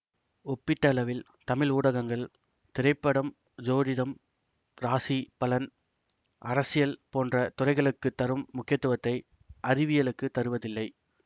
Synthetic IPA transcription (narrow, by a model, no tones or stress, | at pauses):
ɔpːɪʈːɐlɐʋɪl | t̪ɐmɪluːɽɐɣɐŋɡɐɭ | t̪ɪɾɐɪpːɐɽɐm | d͡ʒoːɾɪðɐm | ɾaːsipɐlɐn | ʔɐɾɐsɪjɐlpoːndrɐt̪ʊrɐɪɣɐɭɯkːɯt̪ːɐɾɯmːʊkːɪjɐt̪ːɯʋɐt̪ːɐɪ | ʔɐɾɪʋɪjɐlɯkːɯt̪ːɐɾɯʋɐðɪlːɐɪ